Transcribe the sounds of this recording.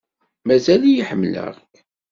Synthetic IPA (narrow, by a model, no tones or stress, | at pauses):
mæzælijiħəmːlə̰ʁ